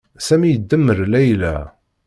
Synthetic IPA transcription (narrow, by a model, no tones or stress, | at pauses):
sæmijəd̪ːəmːəɾlæjlæ̰